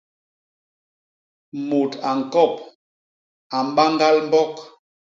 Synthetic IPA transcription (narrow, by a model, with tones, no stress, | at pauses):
mo˨ta˨ŋ̩˨kɔ˦˨p̚ | a˨m̩˦ba˦ŋ˦ɡa˦lm̩˦bɔ˦k